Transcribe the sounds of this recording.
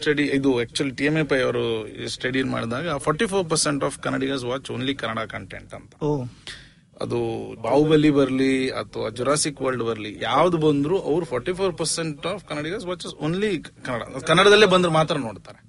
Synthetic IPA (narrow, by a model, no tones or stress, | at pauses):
sʈɐɽiid̪uɛːk̚t͡ʃuɐliʈijemepɐjɐʋɐɾusʈɐɽinma̰ːɽid̪aːɡɐpʰɔːɾʈipʰoːɾp̬ɐɾseɳʈaːfkɐnːɐɽiɡaːs̬ʋaːt͡ʃoːnlikɐnːɐɽakɐɳʈḛɳʈɐ̰nt̪ʰɐ̥o | ɐ̰d̪ubaːwbɐlːibɐɾliɐ̰t̪ʰːɐʋa̰ːd͡ʒuɾaːsikʋɐɾlɖbɐɾɐlijaːʋd̪ubɐnd̪ɾuʔɐʋɾupʰɔːɾʈipʰoːɾpɐɾseɳʈaːfkɐnɐɽiɡaːs̬ʋaːt͡ʃɐsoːnlikɐnːɐɽa̰kɐnːɐɽɐd̪ɐlːeːbɐnd̪ɾumaːt̪ɾɐnoːɽt̪aːɾe